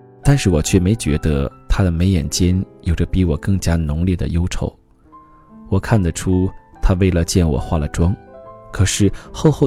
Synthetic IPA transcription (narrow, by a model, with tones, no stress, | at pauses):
t̪a˥˧nʂɻ̩˥˩wɔ˨˩t͡ɕʰɥɛ˥˩me˧˥ɪt͡ɕɥɛ̰˧˥d̪ə˧t̪ʰa˥d̪ə˨me˧˥ɪjɛ̰˨˩nt͡ɕjɛ˥njo˨˩ʊʈ͡ʂə˦pi˧˥wɔ˨˩kɤ˥˩ŋt͡ɕja˥nʊ˧˥ŋljɛ˥˩d̪ə̰˩jo˥ʊʈ͡ʂʰo˧˥ʊ | wɔ˨˩kʰa˥˩nd̪ə˩ʈ͡ʂʰu˥t̪ʰa˥we˥˩ɪlə˩t͡ɕjɛ˥˩nwɔ̰˨˩xwa˥˩lə̰˩ʈ͡ʂwɑ˥ŋkʰɤ˨˩ʂɻ̩˥˩xo˥˧ʊxo˥˧